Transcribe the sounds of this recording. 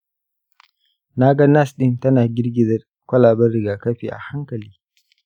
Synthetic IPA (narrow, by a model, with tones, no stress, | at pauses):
na˦ɡɐ˦na˦˨sɗɪ˦˨ntɐ˦naː˨ɡʲɪ˦rɡʲɪ˦˨dɐ˨ | kʷɐ˦laː˨bɐ˦rɽɪ˨ɡaː˨kɐ˦ɸḭː˨ʔa̰˨ha˦ŋkɐ˨liː˦